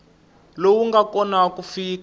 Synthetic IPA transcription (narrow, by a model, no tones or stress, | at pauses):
lowuŋɡakɔnakufiːk